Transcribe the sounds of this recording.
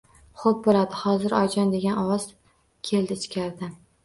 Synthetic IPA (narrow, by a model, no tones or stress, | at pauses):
χop̚bolad̪ɪhɒzɪɾɒjd͡ʒɒnd̪e̞ɡʲanɒwɒz̥ | kʲʰe̞ld̪ɪt͡ʃkʲʰaɾd̪ɪ